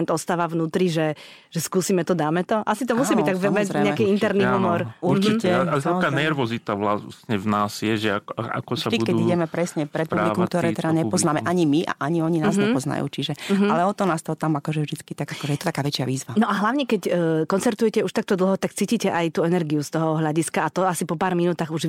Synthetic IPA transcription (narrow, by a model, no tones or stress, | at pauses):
nt̪ɔst̪aːʋaʋnuːt̪ɾiʒɛʒ̥ɛskuːsiːmɛt̪ɔd̪aːmɛt̪ɔʔasit̪ɔmuiːbit̪aɡvɛmɛɛɲɲɛakɛint̪ɛɾniɦumɔɾuɾt͡ʃicɛaaːnɛɾʋɔzit̪aʋlasɲɛvnaːz̥jɛʒɛaa̰kɔsaibukɛiɟɛmɛpɾɛsɲɛpɾɛt̪̚publikɔmmk̚t̪ɔɾɛːt̪ɛdaɲɛpɔznaːmɛʔaɲimiʔa̰ʔaɲiɔɲinaːzɲɛpɔzna̰jṵːt͡ʃiʒɛɦalɛɔt̪ɔnaːst̪ɔt̪amakɔʒɛʒd̪it͡skit̪aɡakɔʒɛjɛt̪ɔt̪akaːʋɛt͡ʃɪaʋiːzʋanɔʔaɦlaʊɲɛkɛcːkɔnt͡sɛɾt̪ujɛcɛuʃt̪ak̚t̪ɔd̪l̩ˠɦɔt̪akt͡siːciːcɛʔajt̪uːɛnɛɾɡiust̪ɔɦɔɦlʎaɟiskaat̪ɔasipɔpaːɾminut̪aːɣuʒ